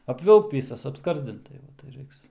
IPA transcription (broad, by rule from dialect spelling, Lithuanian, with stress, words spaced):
ɐpʲˈʋʲɪlˠkt ˈʋʲiːsɐs ɐpˈskɐrʲdʲɪnt tɐɪ ˈʋɐ tɐɪ ˈrɐɪks